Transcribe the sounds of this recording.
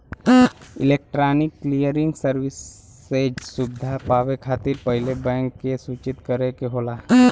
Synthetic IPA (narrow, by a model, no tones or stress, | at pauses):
ɪ̰leːk̚ʈɾaːnɪkːlijəɾɪ̃ŋɡsəɾwɪsː | ed͡ʒsʊbd̪ʱapaːwekʰaːt̪ɪɾpəɦɪlebɛ̃ːŋkːesuːt͡ʃɪt̪kəɾekeɦoːlaː